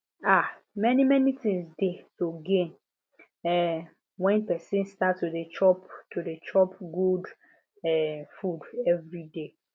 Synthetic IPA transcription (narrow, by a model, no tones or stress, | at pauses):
a | mɛnimɛnitĩŋsdesoɡẽn | ɛ | wɛ̃npɛsĩnstatːudet͡ʃɔptʰudet͡ʃɔpɡud | ɛfudɛvɹide